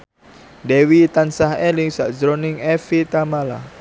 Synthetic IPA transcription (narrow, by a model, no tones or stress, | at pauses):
dɛwit̪ansaɦɛlɪŋsaʔzɾɔnɪŋɛfit̪amala